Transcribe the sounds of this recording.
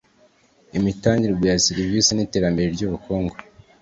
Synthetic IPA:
imitaːɲdiɾiɡujasiɾivisinite̞ːɾambe̞ɾeɾɟuːβuko̞ːŋɡo

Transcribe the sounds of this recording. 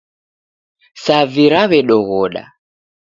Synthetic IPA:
saviɾaβɛɗɔɣɔɗa̰

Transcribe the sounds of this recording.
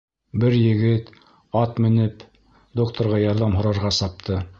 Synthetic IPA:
bɘɾjɘ̆ɡɘt̪ | ɑt̪mɘ̆nɘp | d̪okt̪ʰŏɾʁɑjɑɾðɑmɦŏɾɑɾʁɑsɑp̚t̪ʰɤ

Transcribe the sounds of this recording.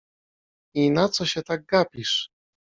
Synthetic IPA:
inat̪sɔɕɛt̪aɡ̚ɡapʲiʂ

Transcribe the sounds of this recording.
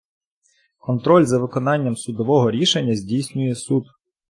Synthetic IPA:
kɔnt̪ɾɔlʲzɐʋɪkɔnɑnʲːɐmsʊd̪ɔʋɔɦɔɾʲiʃenʲːɐzʲdʲijsʲnʲʊjɛsud̪

